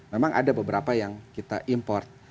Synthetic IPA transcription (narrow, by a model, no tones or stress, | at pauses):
memaŋʔa̰dabəbəɾapajaŋkit̪aʔimpɔrt̪̚